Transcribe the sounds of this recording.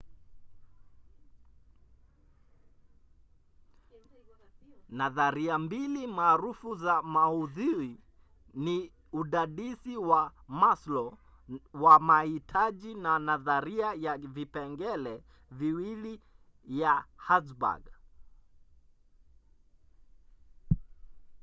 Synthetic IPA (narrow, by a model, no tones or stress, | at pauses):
naðaɾiambilimaːɾufuzamauðiɾi | ni | uɗaɗisiwamaslɔ | wamahitʰaʄinanaðaɾiajavipɛŋɡɛlɛ | viwili | jahatba̰ɡ